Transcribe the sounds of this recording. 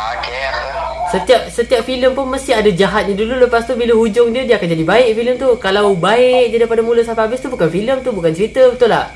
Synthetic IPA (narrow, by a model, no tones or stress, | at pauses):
sət̪iap̚sət̪iap̚filəmpʊnmə̃st̪ɪɦadad͡ʒaɦat̪̚ɲãdululəpast̪ubiləhud͡ʒʊŋdiədiakand͡ʒadibaɪk̚filəmt̪ukalawbaɪk̚daɾipadamũləsapaabɪst̪ubukanfiləmt̪ubukant͡ʃɾit̪əbət̪ʊla̰h